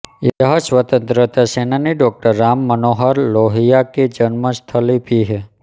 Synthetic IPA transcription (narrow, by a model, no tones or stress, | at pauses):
jəɦəsʋət̪ə̃nt̪ɾət̪asenaniɖɔk̚ʈəɾːamːənoɦəɾloɦijaked͡ʒənməst̪ʰəlipiɦe